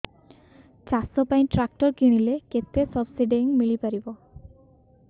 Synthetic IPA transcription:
t͡ʃasɔpaj̃ʈɾak̚ʈɔɹkiɽ̃ileket̪esɔbsiɖeŋmiɭipaɾibɔ

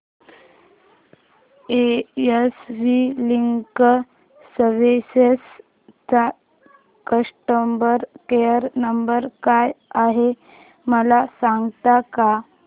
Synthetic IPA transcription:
eesʋiliŋkː | əʋeses | t͡sa | kəʂʈəmbəɾkejəɾnəmbəɾkajaɦe | məlasãŋɡt̪aka

